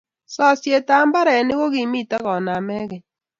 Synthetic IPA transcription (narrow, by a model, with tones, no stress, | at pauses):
sɔ˦sje˨ta˨˦mba˦ɾɛ˨nɪ˦ɣo˦ɣi˨mi˦˨ta˦ɣɔ˨na˨mɛ˦ɣɪ˨